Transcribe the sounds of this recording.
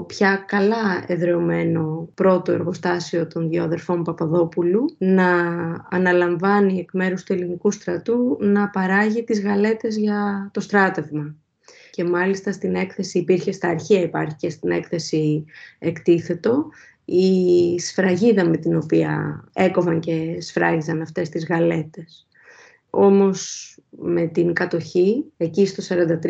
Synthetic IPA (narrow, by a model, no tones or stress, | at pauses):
opçɐkɐlɐe̞ðɾe̞ome̞no̞pɾo̞t̪o̞e̞ɾɣo̞st̪ɐsio̞t̪o̞nðoðe̞ɾfo̞mpɐpɐðo̞pulunɐː | nɐlɐɱvɐnie̞kme̞ɾust̪ue̞linikust̪ɾɐt̪unɐpɐɾɐʝit̪izɣɐle̞t̪e̞zʝɐt̪o̞st̪ɾɐt̪e̞vmɐ | ce̞mɐlist̪ɐst̪ine̞kθe̞siːpiɾçe̞st̪ɐːɾçiɐipɐɾçice̞st̪ine̞kθe̞siekt̪iθe̞t̪o̞ | isfɾɐʝiðɐme̞t̪ino̞piɐ̰e̞ko̞vɐŋce̞sfɾɐʝizɐnɐft̪e̞st̪izɣɐle̞t̪e̞s | o̞mo̞s | me̞t̪iŋkɐt̪o̞çie̞cist̪o̞sɐɾɐnd̪ɐt̪ɾ